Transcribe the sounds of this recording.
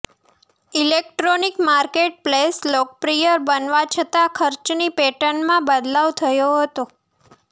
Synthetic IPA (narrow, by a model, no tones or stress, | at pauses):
ilek̚ʈɾonikmaɾkeʈ̚pleslɔk̚pɾijəɾbənʋat͡ʃʰət̪akʰəɾt͡ʃnipeʈəɳmãbəd̪laʋt̪ʰəjoɦət̪o